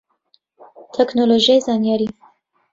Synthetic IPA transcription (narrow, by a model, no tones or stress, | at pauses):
t̪ʰɛknoloʒijajzɑːnjɑɾi